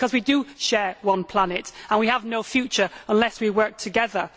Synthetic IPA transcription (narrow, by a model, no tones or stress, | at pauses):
kʰʌzwidəʃɛɹwʌ̃npʰl̥anɪtə̃nwiəvnoʊfjʉˑt͡ʃə˞ə̃nlɛswiwɜ˞k̚tʰəɡɛðə